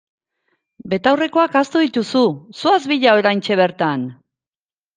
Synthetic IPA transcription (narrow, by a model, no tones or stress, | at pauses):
be̞t̪awre̞ko̞akast̪uðit̪ususuazβiʎaoɾajnt͡ʃe̞β̞e̞ɾt̪an